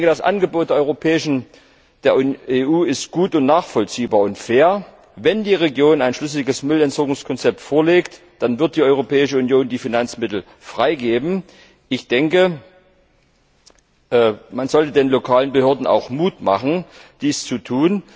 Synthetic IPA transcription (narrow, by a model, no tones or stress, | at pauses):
ŋkəd̥asʔa̰nɡəboːt̚d̥ɛɐʔɔʏopʰɛːɪʃn̩ | d̥eːɐeːʔuːɪstɡ̥uːtʊntnaːχfɔlt͡siːbaːɐʊntfeːɐ | vɛndiːʁeɡjoːnaɪnʃlʏs̬lɪɡəsmʏlɛntz̥ɔɐɡʊŋskʰɔnt͡sɛp̚tfoːɐleːkt | d̥anvɪɐt̚d̥iːʔɔʏʁ̞opʰɛːɪʃəunjoːndiːfinant͡smɪtl̩ | fʁ̥aɪɡeːbm̩ | ʔɪçd̥ɛŋkə | ʔmanzɔltədeːnlokʰaːlənbəhøːɐdn̩a̰ʊxmuːtma̰χn̩d̥iːst͡sutʰuːn